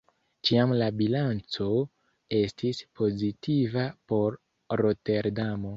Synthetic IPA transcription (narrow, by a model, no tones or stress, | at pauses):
t͡ʃiamlabilant͡so̞ | e̞stispʰo̞zitivapo̞ɾː | o̞te̞ɾdamo̞